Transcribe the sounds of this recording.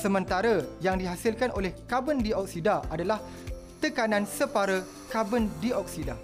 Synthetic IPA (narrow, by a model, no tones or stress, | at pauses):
səmə̃nt̪aɾəjaŋdiɦasɪlkanʔolɛhkabəndiʔɔk̚sidaʔadalah | t̪əkanãnsəpaɾə | kabəndiʔɔk̚sida